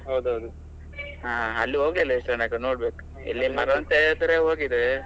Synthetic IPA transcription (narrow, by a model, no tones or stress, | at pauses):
ɦɐwd̪uɦɐwd̪u | ɦaːɐlːiɦoːɡlilːɐiʂʈɐɳɐːkɐnoːɽbeːku | ḛlːimɐɾɐnt̪ed̪ɾeɦoːɡid̪e